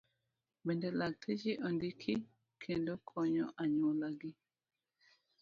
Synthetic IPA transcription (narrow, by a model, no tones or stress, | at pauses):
bɛndɛlak̚tʰed͡ʒiʔɔndikʰi | kʰendokʰɔɲɔ̰ʔaɲolaɡɪ